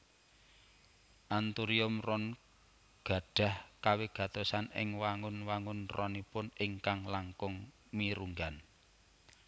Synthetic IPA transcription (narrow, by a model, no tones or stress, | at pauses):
ʔant̪uɾiʊmrɔn | ɡ̥a̤ɖ̥a̤hkaweɡ̥ä̤t̪osanɪ̰ŋwaŋʊnwaŋʊnrɔnipʊnɪŋkaŋlaŋkʊŋ | miɾuŋɡan